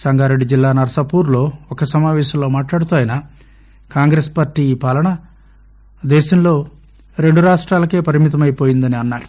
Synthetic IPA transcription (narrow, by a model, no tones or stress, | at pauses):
sɐŋɡaːɾeɖːid͡ʒilːaːnɐɾɐsɐpuːɾlo̞ːɔkɐsɐmaːʋɛːʃɐmlo̞ːmaːʈlaːɽut̪aːjɐna | kaːŋɡɾeːspaːɾʈːiːpaːlɐɳɐ | d̪ɛːʃɐmlo̞ː | ɾe̞ɳɖuɾaːʂʈɾaːlɐke̞ːpɐɾimit̪ɐmɐjipoːjind̪ɐniɐnːaːɾu